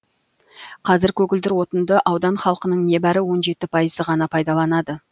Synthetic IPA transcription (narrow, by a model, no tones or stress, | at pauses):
qʰɑzɪɾkʲʰɵkʲɪld̪ɪɾwo̞t̪ənd̪əʔɑwd̪ɑnχɑlˠqənəɴne̞bæɾɪwo̞nʒe̞t̪ɪpʰɑjəzəʁɑnɑpʰɑjd̪ɑlˠɑnɑd̪ə